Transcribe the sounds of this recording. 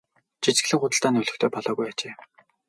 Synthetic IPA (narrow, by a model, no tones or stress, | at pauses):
t͡ɕʰit͡ɕɡɘ̆ɮɘ̆ŋχʊt̪ə̆ɬt̪aːnɵɮɵ̆xt̪ʰeːpɔɮɔːɣujat͡ɕeː